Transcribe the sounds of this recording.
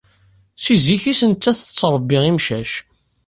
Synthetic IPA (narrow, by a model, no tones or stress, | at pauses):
siziçisənt͡sːæθət͡sːɾˤəbːiʁimʃæʃ